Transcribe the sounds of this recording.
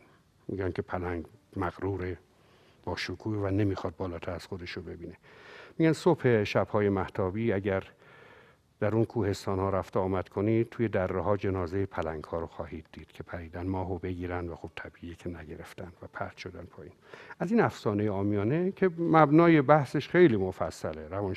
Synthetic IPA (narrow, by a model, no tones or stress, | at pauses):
mḭɡænkʲʰe̞pʰælæŋɡmæɣɾuːɾe | bɒːʃokʰuːvæne̞miːxɒːd̪̚bɒːlɒːt̪ʰæɾæz̥xod̪e̞ʃobe̞biːne̞miːɡænsophe̞ʃæb̥hɒːje̞mæht̪ʰɒːbiːæɟæɾ | d̪̥æɾunkʰuːhe̞st̪ɒːnhɒːɾæft̪eɒːmæd̪̥kʰoniːt̪ʰuːje̞d̪ærːeɦɒːd͡ʒe̞nɒːzejepʰælæŋɡhɒːɾoxɒːhiːd̪̚ːiːd̪̥kʰe̞pʰæɾiːd̪ænmɒːɦobe̞ɡiːɾænd̪væxob̥t̪ʰæbiːʔikʰenæɟeɾeft̪ænd̪væpʰæ̰ɾt̪ʃod̪ænd̪pʰɒːiːnʔæziːnæfsɒːnejeɒːmijɒːnekʰe̞mæbnɒːjebæhseʃχe̞jliːmofæsːæleɾævɒːn